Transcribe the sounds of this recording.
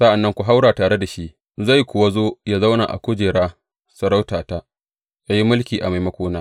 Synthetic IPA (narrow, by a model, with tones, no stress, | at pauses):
sa˦ʔa˨nːɐ˦ŋkʷu˨ɦa˦wɽaː˨taː˨ɽe˦da˨ʃi˦ʔ | za˦˨jkʷʊ˨wa˦zoː˦jaː˦za˦wnaː˨ʔa̰˨kʷʊ˦d͡ʒeː˨ɽaː˦ | sɐ˨ɽa˦wtaː˨ta˦ | ja˦ji˦mʊ˦lkʲiː˨ʔa˨ma˨jmɐ˦kʷoː˦naː˦